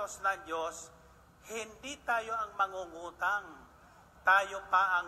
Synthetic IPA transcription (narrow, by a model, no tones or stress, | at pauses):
osnɐŋd͡ʒos | hɪnd̪it̪aːjoɐŋmɐŋuŋuːt̪aŋ | t̪aːjopaʔɐ